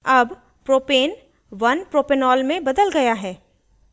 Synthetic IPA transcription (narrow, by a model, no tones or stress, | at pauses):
ɐb | pɾoːpeːn | ʋɐnpɾoːpenɔːlmẽbɐd̪əlɡɐjaɦɛː